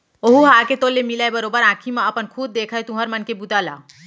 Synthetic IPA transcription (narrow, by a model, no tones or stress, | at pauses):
oɦuɦaːket̪oːlːemilaːebɐɾoːbəɾãːkʰimãɐpənkʰuːd̪̚ːeːkʰaet̪ũɦəɾmɐnkebut̪aːla̰ː